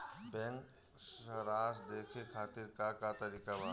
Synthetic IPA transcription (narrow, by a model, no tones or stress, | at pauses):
bɛ̃ŋk | səɾaːsd̪eːkʰekʰaːt̪ɪɾkakat̪ɐɾiːkabaː